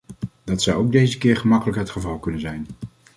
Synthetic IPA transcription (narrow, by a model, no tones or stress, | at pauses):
dɑtsʌwowɡ̚dejzəkɪːɹχəmɑkələkɦətχəvɑlˠkɵnənzɛjn